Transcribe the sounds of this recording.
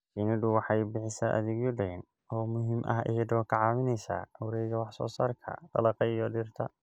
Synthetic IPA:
t͡ʃinɪd̪ʊwɑħɑjbɪħɪsaːʔɐ̰ðɪɣjɔɖɛjn | ɔːmʊɦɪmʔɐ̰ɦɪ̰ɦɛd̪ɔːkʰɐʕɑːβɪnɛjsa̰ːʊwɾɛjɣɐwɑħsɔ̰ːsaːrkʰɐ̰t̪ɐ̰lɐqɑijɔɖɪrt̪ʰɐ

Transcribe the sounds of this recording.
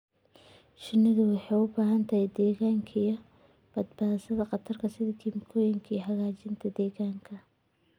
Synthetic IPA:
ʃɪnːɪðʊwɑħɑjʊbaːɦɐnt̪ʰɐhɛjd̪ɛːɣaːŋkʰɐijɔ | b̥ɐd̪baːsɐðɐqɑt̪ʰɐrkʰɐsɪðɐkʰiːmkʰɔːjɪŋkʰiɦɐɣaːt͡ʃɪnt̪ʰɐd̪ɛːɣaːŋkʰɐ

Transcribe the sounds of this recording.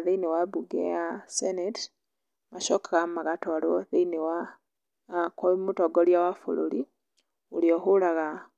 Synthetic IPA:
ðeiniwabuɡḛasenet | maʃokaɣamaɣatoɾoðeinewa | komutoɡoljawafṵloli | ulioxulaɣa

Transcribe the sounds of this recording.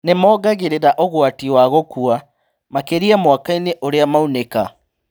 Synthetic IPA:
nemɔːɡaɣeɾeɾaʔoɣwatiwaɣokua | makeɾiamwakaineʔoɾeamauneka

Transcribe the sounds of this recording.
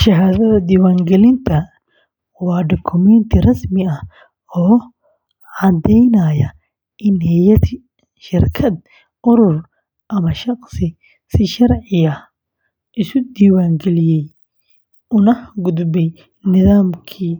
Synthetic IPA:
ʃɐɦaːðɐðɐd̪iːwaːŋɡɛlɪnt̪ʰɐ | wɑːɖɔkʰʊmɛnt̪ʰɪrɐsmɪɐh | ɔː | ʕɑd̪ɛjnɐjɐ | ʔɪnhɛjɐt | ʃɪrkʰɐd̪̚ | ʔʊɾʊr | ʔɐmɐʃɑqsɪ | sɪʃɐrʕɪɐ | ʔɪsʊd̪iːwaːŋɡɛlɪjɛj | ʊnɐhɡʊd̪bɛj | nɪðaːmkʰiː

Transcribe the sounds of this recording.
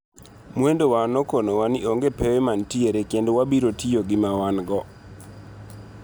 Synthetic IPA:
mwendowanokonowanɪʔoŋɡepewemantieɾekendwabiɾotijoɡɪmawanɡɔ

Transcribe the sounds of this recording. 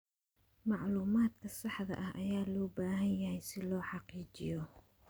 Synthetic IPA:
mɑʕluːmaːd̪kʰɐsɑħðɐ̰ʔɐhɐjaːlɔːbaːɦɐnjɐhɛjsɪlɔːħɑqiːt͡ʃɪjɔ

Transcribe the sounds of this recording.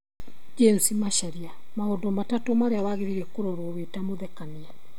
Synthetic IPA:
d͡ʒensimaʃaɾia | maodomatatomaɾeawaɣeɾiɾɛkoɾɔɾowetamoðɛkania

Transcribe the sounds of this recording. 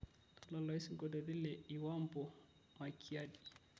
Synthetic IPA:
ɔlalaisŋɡɔdɔdilɛiwambɔ | makʰiadi̥

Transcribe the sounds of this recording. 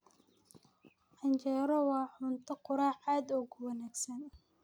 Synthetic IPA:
ħɐɲt͡ʃɛːɾɔwɑːħʊnt̪ʰɐqʊɾaːħaːd̪ɔɣʊwɑnaːɡsɐn

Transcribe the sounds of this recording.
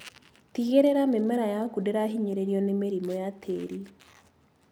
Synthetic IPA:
tiɣeɾeɾamemɛɾajakudeɾaɦiɲeɾeɾiɔnemeɾimɔjatʰḛɾi

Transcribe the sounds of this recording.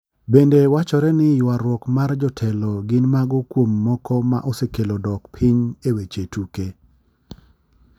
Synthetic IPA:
bendewat͡ʃɔɾɛnɪjwaɾwɔkmard͡ʒɔtʰɛlɔɡɪnmaɡʊkwomːɔkɔma̰ʔɔsekelodɔkpʰiɲewet͡ʃetuke

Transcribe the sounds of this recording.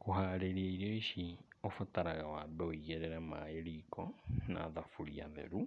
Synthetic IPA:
koɦaɾeɾiaiɾioiʃiofataɾaɣawaːbɛoiɣeɾeɾama̰eɾikɔna̰ːðafuɾḭa̰ðḛɾu

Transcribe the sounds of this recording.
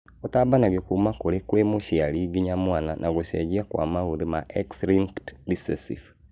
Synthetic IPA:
otabanaɣekumakoɾekwemoʃiaɾiɣiɲamwananʔaɣoɕɛɣiakwa̰maoðemaʔɛksɾiŋktdisɛsḭf

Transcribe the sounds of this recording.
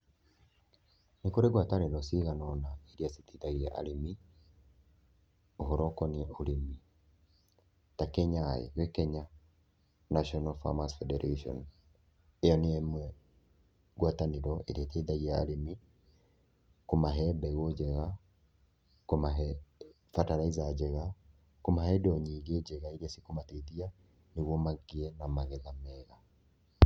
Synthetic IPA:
nekoɾeɣwatanenɔsiɣanɔnaeɾiaseteðaɣiɛʔa̰ɾemi | oɦoɾɔkɔniɛoɾemi | takɛɲaḛwɛkɛɲa | naʃɔnalfa̰masfɛdɛɾʔaʃɔ̰n | ejɔneemwɛ | ɡwataneɾɔḛɾieteðaɣiaɾemi | komaɦɛbɛɣod͡ʒɛɣa | komaɦɛ | fataɾaizad͡ʒɛɣa | komaɦɛdɔɲiːɡed͡ʒɛɣaiɾesikomateðia | neɣwɔmaɡiɛnamaɣeðamɛɣa

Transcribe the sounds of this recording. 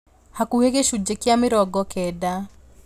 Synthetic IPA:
hakuheɣeʃud͡ʒekjamɪɾɔɡɔkɛda

